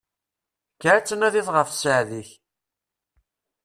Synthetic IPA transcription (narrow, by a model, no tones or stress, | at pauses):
kːəɾæt͡sːənæðiðʁəfsəʕðiç